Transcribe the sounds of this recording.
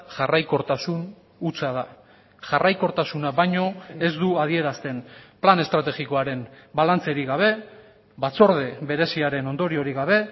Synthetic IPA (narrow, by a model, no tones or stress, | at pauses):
ʝarajko̞ɾt̪asun | ut͡sað̞a | ʝarʔajko̞ɾt̪asunaβajɲo̞e̞zd̪uaðie̞ɾast̪e̞nplane̞st̪ɾat̪e̞ɣiko̞aɾe̞m | balant͡se̞ɾiɣaβ̞e̞ | βat͡so̞ɾð̞e̞βe̞ɾe̞siaɾe̞no̞nd̪o̞ɾio̞ɾiɣaβ̞e̞